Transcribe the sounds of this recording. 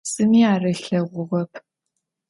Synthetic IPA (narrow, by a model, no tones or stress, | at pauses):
sɨmiːaːrɐɬɐʁʷʊʁɐpʰ